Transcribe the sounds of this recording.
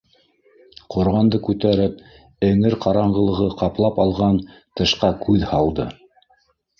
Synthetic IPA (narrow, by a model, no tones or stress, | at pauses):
qʰŏɾʁɑnd̪ɤkʉt̪æɾɘp̚ | ɘ̆ŋɘɾqɑɾɑɴɢɤ̆lˠɤ̆ʁɤqɑplˠɑpɑlˠʁɑnt̪ɤ̆ʃqɑkʰʉðhɑlˠd̪ɤ